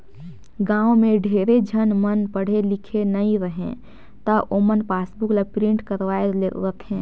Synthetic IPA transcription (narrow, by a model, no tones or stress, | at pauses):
ɡãːwmẽɖʱeɾed͡ʒʱənmənpəɽ̤elikʰenəĩɾəɦḛ̃ | t̪əʔomənpasbuklapɾĩɳʈkəɾʋaeleɾət̪ʰẽ